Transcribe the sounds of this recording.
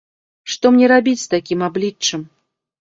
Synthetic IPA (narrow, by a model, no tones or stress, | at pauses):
ʂt̪ɔmnʲɛɾabʲit͡sʲst̪akʲimablʲit͡ʂːɨm